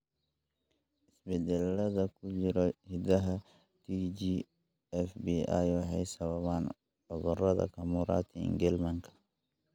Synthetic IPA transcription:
ʔɪsbɛd̪ɛlːɐðɐkʰʊt͡ʃɪɾɔhɪd̪ɐɦɐ | t̪ʰid͡ʒiː | ɛfbia̰jwɑħɑjsɐβɐβaːn | ʕʊðʊrɐðɐ̰kʰɐmuːɾa̰ːt̪ʰiɪ̰ŋɡɛlmɐŋkʰɐ̥

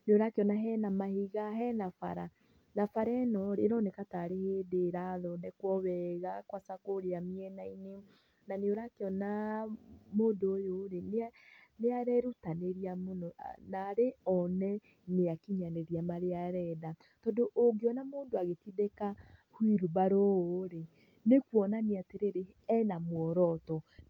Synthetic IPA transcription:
neoɾakeɔnaɦɛnamahiɣaɦɛnafa̰ɾa | nafaɾɛnɔɾeɾɔnekataɾeheːdeɾaðɔdɛkwɔβɛɣakwasakoɾeamiɛnaine | naneoɾakeɔna | moːndoːjoɾene | neaɾɛɾutaneɾiamonɔnaɾeɔnɛ | neakiɲaneɾiamaɾeaɾɛda | tɔdoʔoɡeɔnamoːndoaɣetiðɛkahwiɾubaɾooɾe | nekwɔnaneateɾeɾe | ɛnamwɔɾɔtɔ

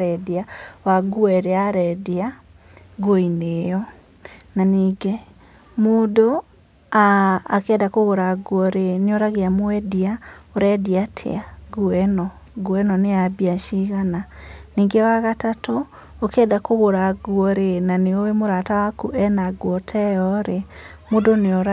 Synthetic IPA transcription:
ɛdiawaɡuɛɾeaɾɛdia | ɡoinejɔ | naniːɡe | moːdo | aakɛdakoɣoɾaɡwɔɾeneoɾaɣeamoɛdiaoɾɛdiatʰḛaɡuɛnɔ | ɡwɛnɔneabiaʃiɣananiːŋɡewaɣatato | okɛːdakoɣoɾaɡuɔɾenaneowemoɾatawakuʔɛnaɡwɔtʰɛɔɾemodoneoɾa

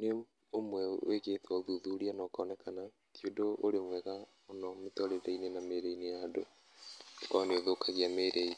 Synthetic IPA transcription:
ne | omwɛw̰eɣetwaoðuðuɾianɔkanɛkana | kjodoːɾemwɛɣa | onɔmetɔɾeɾeinenameɾeinejado | kɔneoðokaɣiameɾei

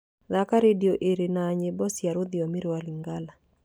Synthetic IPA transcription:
ðakaɾedioʔeɾenaːɲebɔsjaɾoðɪɔmɪɾwaliŋɡala

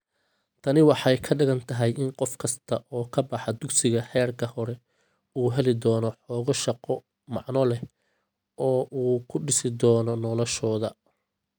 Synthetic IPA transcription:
t̪ʰɐnɪwɑħɑjkʰɐɖɪɣɐnt̪ʰɐɦɛjɪnqɔfkʰɐst̪ʰɐʔɔːkʰɐbɑħɑd̪ʊɡsɪɣɐħɛːrkʰɐhɔɾɛ | uːɦɛlɪd̪ɔːnɔħɔːɣɔʃɑqɔ | mɑ̰ʕnɔlɛ | ɔːʔuːkʰʊɖɪsɪd̪ɔːnɔnɔlɔʃɔːðɐ

